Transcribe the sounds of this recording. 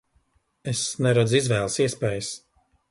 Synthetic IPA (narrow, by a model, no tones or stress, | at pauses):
esnɛɾɔzizvɛːlˠsiɛspɛːjəs